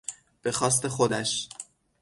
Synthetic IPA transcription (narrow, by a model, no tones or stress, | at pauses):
b̥e̞xɒːs̬t̪e̞xod̪æʃ